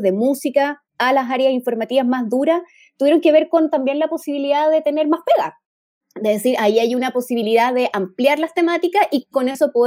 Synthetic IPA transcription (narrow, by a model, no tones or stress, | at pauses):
ðe̞musikaː | las̬aɾjasiɱfo̞ɾmat̪iβazmazðuɾas | t̪uβjeɾo̞ŋke̞βe̞ɾko̞nt̪ambje̞nlapo̞siβiliðaðe̞t̪e̞ne̞ɾmaspeɣa | d̪eðesiɾaiajunapo̞siβ̞iliðaðe̞ʔampljaɾlast̪e̞mat̪ikasiko̞neso̞po